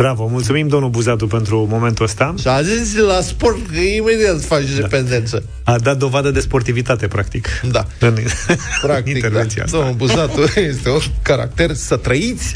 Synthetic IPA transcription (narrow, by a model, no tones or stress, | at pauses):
b̥ɾavəmult̪sumimd̪onubuzat̪upe̞nt̪ɾumo̞me̞nt̪uəst̪aʃaʒunzʲlasport̪əimed̪iat̪fat͡ʃd̪epend̪ent̪sə | ad̪at̪̚d̪o̞vad̪əd̪e̞spo̞rt̪ivit̪at̪e̞pɾak̚t̪ikd̪aɨnpɾak̚init̪eɾvent̪sia̰d̪onubuzat̪ujest̪eunkaɾa̰k̚t̪ersət̪ɾəit̪sʲ